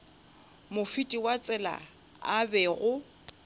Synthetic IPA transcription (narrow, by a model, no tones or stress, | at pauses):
mʊfitʼiwat͡sʼɛla̰ | abɛɣʊ